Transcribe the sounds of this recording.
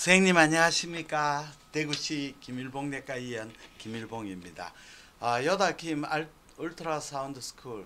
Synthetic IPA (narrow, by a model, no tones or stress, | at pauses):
sʰeŋɲimaɲaɦaɕʰimɲik͈ateɡuɕʰikimiɭboŋne̞k͈aijʌnkimiɭboŋimɲida̰ | jʌdakʰima | uɭtʰɾasʰaundɯsʰɯ̥kʰuɭ